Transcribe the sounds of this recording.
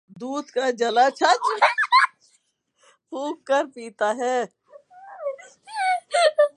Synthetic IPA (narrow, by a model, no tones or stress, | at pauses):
d̪uːd̪kad͡ʒɐlat͡ʃʰat͡ʃ | puːkkːəɾpiːt̪aɦɛː